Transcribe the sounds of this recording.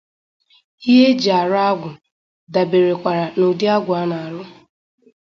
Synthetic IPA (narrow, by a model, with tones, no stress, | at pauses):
i˦ɦe˦d͡ʒi˨a˨ɾʊ˦a˦ɡʷʊ˨ | da˨be˨ɾe˨kʷa˨ɾa˨no˨di˦a˦ɡʷʊ˨a˦na˨a˨ɾʊ˦